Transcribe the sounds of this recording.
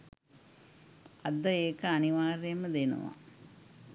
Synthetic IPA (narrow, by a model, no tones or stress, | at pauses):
ɐd̪ːɐjeːkːɐːniʋaːrjɐmɨd̪enṵʋa̰